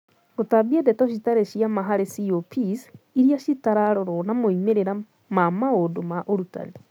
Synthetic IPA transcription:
ɡotabiɛdɛtɔʃ̬itaɾeʃiamaɦaɾesiopʰis | iɾijaʃitaɾaɾoɾɔnamoimeɾeɾa | mamaodomaʔoɾuta̰ne

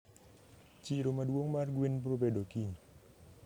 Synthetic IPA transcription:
t͡ʃiɾomaduoŋmarɡwenpɾop̬edokiŋ

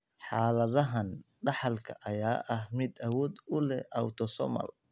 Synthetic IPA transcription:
ħɑːlɐðɐɦɐn | ɖɑħɑlkʰɐʔɐjaːʔɐhmɪd̪ɐwɔːd̪ʊlɛ̰ʔɐwt̪ʰɔsɔ̰mɐ̰l

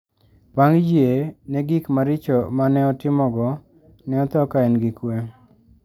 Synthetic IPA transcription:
baŋd͡ʒienɛɡikmaɾɪt͡ʃɔmanɛɔtɪmɔɡɔ | nɛɔt̪ɔkaɛnɡikwe

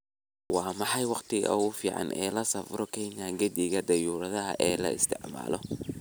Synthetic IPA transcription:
wɑːmɑħɑjwɑqt̪ʰɪɣɔ̰ʊfiːʕɑ̰nɛ̰ːlɐsɐfrɔkʰɛnjaŋɡɐd̪ɪɣɐd̪ɐjuːɾɐðɐɦɐ̰ʔɛːlɐ̰ɪ̰st̪ʰɛʕma̰ːlɔ̰

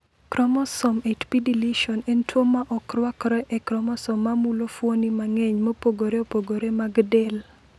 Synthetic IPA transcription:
kɾɔmɔsɔmetpidiliʃɔnentwomaʔɔkɾwakɾɔʔɛkɾɔmɔsɔmːamulofwonimaŋɛɲmopoɡoɾeopoɡoɾemaɡdɛl

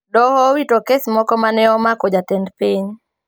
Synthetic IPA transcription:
dɔhɔwitokesmɔkɔmanɛɔmakod͡ʒatɛndpiɲ

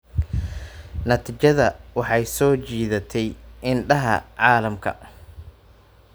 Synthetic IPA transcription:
nɐt̪ʰiːt͡ʃɐðɐwɑħɑjsɔːt͡ʃiːðɐt̪ʰɛjɪnɖɐɦɐ̰ʕɑːlɐmkʰɐ̰

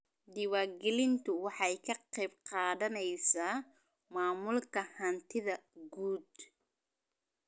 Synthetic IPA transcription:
d̪ɪwaːrɡɛlɪnt̪ʰʊwɑħɑjkʰɐqɛjbqɑːðɐnɛjsaː | maːmʊlkʰɐhɐnt̪ʰɪðɐɡuːd̪

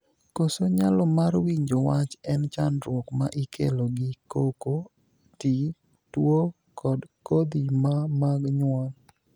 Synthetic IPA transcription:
kosoɲalɔmarwiɲd͡ʒowat͡ʃɛnt͡ʃanɾwɔkma̰ʔikʰeloɡɪkoko | ti | two | kɔdkod̪imamaɡɲwɔn

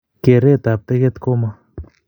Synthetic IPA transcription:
keɾet̪ap̚t̪eɡet̪koma

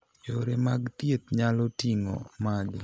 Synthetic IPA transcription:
joɾemaɡt̪jet̪̚ɲalɔtiŋɔ̰mad͡ʒ

